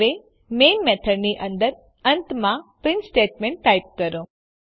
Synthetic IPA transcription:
ʋe | meːnmet̪ʰəɖniʔənd̪əɾ | ɐnt̪mãpɾɪnsʈeːʈmẽɳʈːajp̚kəɾõ

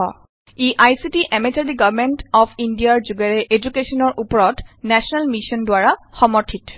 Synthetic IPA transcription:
ɔ̰ | iʔajsitiʔɛmetadiɡɔvmentɔpʰindiaɹzuɡaɹɛʔed͡ʒukesɔnɔɹʔupɔɹɔtnɛsɔnalmisɔndwaɹaxɔmɔɹtʰit

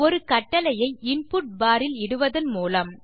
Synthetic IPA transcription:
ɔɾɯkɐʈːɐlɐjɐɪɪnpʊʈ̚baːɾɪlɪɽɯʋɐðɐnmuːlɐm

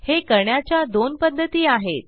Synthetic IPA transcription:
hekəɾɳjat͡ɕjad̪onpəd̪ʱːət̪iːaɦet̪̚

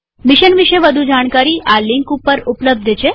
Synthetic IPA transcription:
miʃənʋiʃeʋəd̪ʱud͡ʒaɽ̃kaɾiːʔaliŋkupːəɾupləb̚d̪ʱət͡ɕʰe

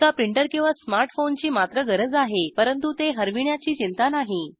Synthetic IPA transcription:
apɾiɳʈəɾkĩw̃ʋasmaɾʈfont͡ɕiːmat̪ɾəɡəɾəd͡zaɦepəɾənt̪ut̪eɦəɾʋiɳjat͡ɕiːt͡ɕint̪anaɦi

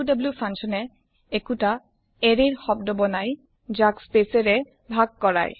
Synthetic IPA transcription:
dɔbljupʰansɔnɛ | ekuta | eɹeɹxɔb̚dɔbɔnaj | d͡ʒakspeseɹɛ | bʱak̚ːɔɹa̰j

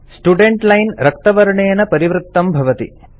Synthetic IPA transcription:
sʈuɖeɳʈlɐjnɾɐk̚t̪ɐʋɐɾɐɳeːnɐpɐɾiʋɾut̪ːɐmbʱɐʋɐt̪ḭ

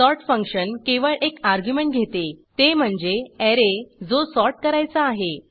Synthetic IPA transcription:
sɔɾʈfə̃ŋkɕənkeʋəɭʔekaɾɡjumẽɳʈ̚ɡʱet̪et̪em̤əɳd͡zeɛɾed͡zosɔɾʈkəɾajt͡saːɦe

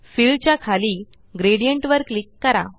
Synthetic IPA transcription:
filɖt͡ɕjakʰaliː | ɡɾeɽijəɳʈʋəɾklikːəɾa̰

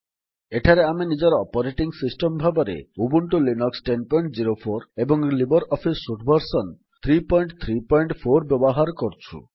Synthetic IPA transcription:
eʈʰaɾeaminid͡ʒɔɾɔpɔɾeʈiŋsisʈɔmbʱabɔɾḛubuɳʈulinɔksʈenpɔjɳʈd͡ʑiɾopʰoɾebɔŋlibɔɾɔpʰisːuʈʰbʱɔɾsɔn | t̪ʰɾipɔjɳʈt̪ʰɾipɔjɳʈfʰoɾbjɔbɔɦaɾkɔɾt͡ʃʰṵ

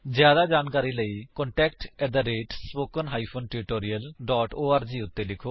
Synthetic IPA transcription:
zjaːd̪ad͡ʒaːnkaːɾiləikɔ̃ɳʈɛːkʈɛʈ̚d̪əɾeːʈspoːkənɦaːipʰoːnʈɪɾɪʈoːɾiəlɖɔːʈoːaːɾd͡ʒiːʊt̪ːelɪkʰo

